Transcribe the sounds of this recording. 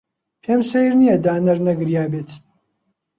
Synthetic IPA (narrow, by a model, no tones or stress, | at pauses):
pʰeːmsejɾnijɐd̪aːnɐɾnɐɡɨɾjaːbeːt̪